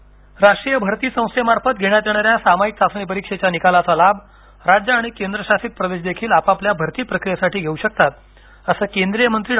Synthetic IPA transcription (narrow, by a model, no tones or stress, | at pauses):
ɾaʂʈɾijəbʱəɾt̪iːsə̃w̃st̪emaɾfət̪ɡʱeɳjat̪jeɽ̃aɾjasamaik̚sasɳ̃ip̬əɾikʂet͡ɕjanikalat͡salab | ɾad͡ʑəaɽ̃ikend̪ɾəɕasiːt̪̚pɾəʋeɕ̬d̪ekʰiːlapapljabʱəɾt̪iːpɾəkɾijesaʈiːɡʱeuɕək̚t̪at̪̚ | əsəːkend̪ɾijəmənt̪ɾiː